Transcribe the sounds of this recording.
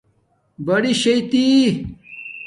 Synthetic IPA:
bɐɽiɕɐjt̪i

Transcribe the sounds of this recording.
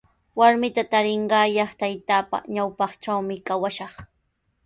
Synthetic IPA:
waɾmɪt̪at̪aɾɪɴɢɑːjɑχt̪ajt̪aːpa̰ɲawpɑχʈ͡ʂawmɪkawaʃɑχ

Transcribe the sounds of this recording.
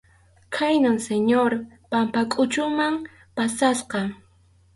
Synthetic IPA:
kʰajnʊŋseɲoɾ | pampakʼʊt͡ʃʊmaŋ | pasasqɑ

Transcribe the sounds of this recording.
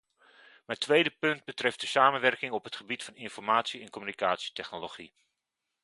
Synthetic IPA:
mɛjtʋejdəpɵnd̚bətrɛft̚d̥əsaːmənʋɛrkɪŋɔpɦətχəbitfɑnɪnfɔrmaːtsiɛnkɔmynikaːtsi̥tɛχnoloχi

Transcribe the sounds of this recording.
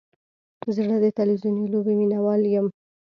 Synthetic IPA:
zɽəd̪ət̪ɪlwizunilobeminawɑljəm

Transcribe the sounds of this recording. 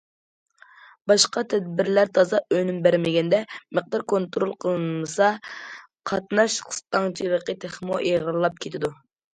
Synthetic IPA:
bɑʃqɑt̪ʰɛd̪̚bɪɾlæɾt̪ʰɑzɑʔønymbæɾmɪɡʲɛnd̪ɛməq̚d̪ɑɾkʰont̪ɾolˠqʰəlˠmɨsɑ | qʰɑt̪nɑʃqʰə̥st̪ɑŋt͡ʃʰilˠəqət̪ʰeχmuʔeʁlˠɑp̚kʲʰet̪ʰɪd̪u

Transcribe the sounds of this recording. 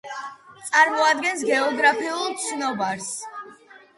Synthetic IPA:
t̪sʼaɾmɔad̪ɡɛns̬ɡɛɔɡɾapʰiulˠt̪sʰnɔbaɾs

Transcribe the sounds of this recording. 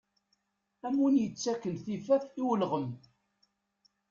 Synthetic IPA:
æmunjət͡sːækːənθifæθiwəlʁəm

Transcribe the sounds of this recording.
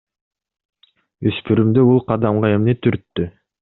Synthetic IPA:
øspyɾymd̪øulˠqʰɑd̪ɑmʁɑe̞mnet̪ʰyɾt̪ːy

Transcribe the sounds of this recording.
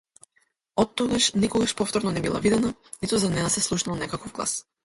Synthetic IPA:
ɔt̪ːɔɡaʃnikɔɡaʃpɔft̪ɔɾnɔnɛbilˠa̰vid̪ɛnanit̪uzanɛnasɛslˠuʃnalˠnɛkakɔvɡlˠa̰s

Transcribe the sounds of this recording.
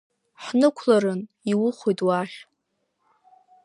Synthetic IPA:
ħnɨkʷʰlaɾɨn | iwʊχʷojtʼwaχʲ

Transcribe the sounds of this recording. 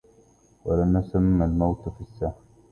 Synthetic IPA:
walamnʊsamːalmawt̪fisːah

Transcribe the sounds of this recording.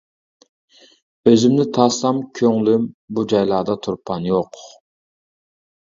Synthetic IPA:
øzymnɪt̪ʰɑslɑmkʲʰøŋlymbud͡ʒɑjlˠɑːd̪ɑt̪ʰuɾpʰɑnjoq

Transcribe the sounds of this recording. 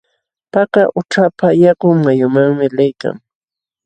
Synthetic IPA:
pakaʔʊʈ͡ʂapajakʊŋmajʊmaŋmɪlɪjka̰ŋ

